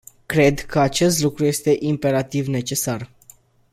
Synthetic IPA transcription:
kɾe̞d̪kəat͡ʃe̞st̪lukɾuje̞st̪e̞ʔimpe̞ɾat̪ivne̞t͡ʃe̞sar

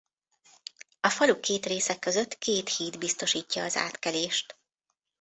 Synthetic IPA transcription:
ɒfɒlukeːt̪reːsɛkːøzøt̪ːkeːt̪hiːd̪bist̪o̞ʃiːcːɒːza̰ːt̪kɛleːʃt̪

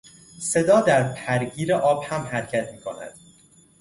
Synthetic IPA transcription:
se̞d̪ɒːd̪æɾpʰæɾɟiːɾeʔɒːb̥hæmhæɾcʰæt̪ʰmiːkʰo̞̰næ̰d̪̥

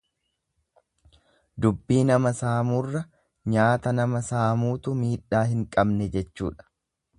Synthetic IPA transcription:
d̪ʊbːiːnɐmɐsaːmuːrːɐ | ɲaːt̪ɐnɐmɐsaːmuːt̪ʊmiːᶑːaːhɪŋkʼɐbnɛd͡ʒɛt͡ʃːṵːᶑɐ̥

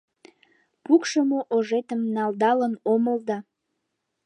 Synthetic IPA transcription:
pukʃəmoʔoʒet̪əmnɑld̪ɑlənoməld̪ɑ

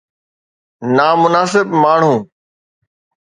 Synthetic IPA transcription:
naːmʊnaːsɪbmaːɳ̤ũː

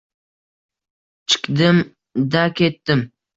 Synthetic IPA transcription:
t͡ʃʰɪ̥kd̪ɪm | d̪akʲʰet̪ːɪm

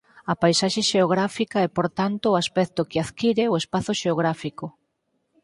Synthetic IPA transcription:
ɐpajsaʃeʃeoɣ̞ɾafikaɛpoɾt̪ant̪ʊːaspɛk̚t̪okɪaðkiɾeoespaθʊʃeoɣ̞ɾafiko

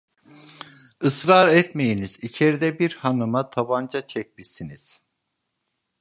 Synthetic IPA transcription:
ɯsɾaɾɛt̪me̞jiniz̥it͡ʃʰe̞ɾid̪ɛbiɾhanɯmat̪ʰaband͡ʒat͡ʃʰɛc̚misiniz̥

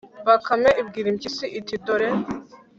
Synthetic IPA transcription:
bakʰamɛʔib̚ɡiɾimcisiʔːt̪ʰid̪ɔɾɛ

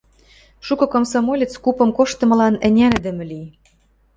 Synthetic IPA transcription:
ʃukɤ̆komsɑmolʲet͡skupɤ̆mkoʃt̪ɤ̆mɤ̆lɑnɘ̆nʲænɘ̆d̪ɘ̆mɘ̆lij

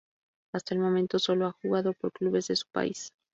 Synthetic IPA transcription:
ast̪ae̞lmo̞ment̪o̞so̞lo̞axuɣaðo̞po̞ɾkluβe̞zðe̞su̥pa̰is

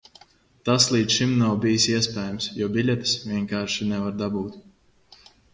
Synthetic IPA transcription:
t̪aslˠiːt̪ʃimnawbʲijisiɛspʲɛːjamsjɔɔbʲilʲɛt̪svʲiɛŋkaːɾʃinɛvaɾd̪abuːt̪

